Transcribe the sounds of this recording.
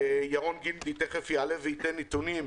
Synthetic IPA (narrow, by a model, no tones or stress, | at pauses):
jaʁonɡind̪it̪eχefjalevit̪enit̪unim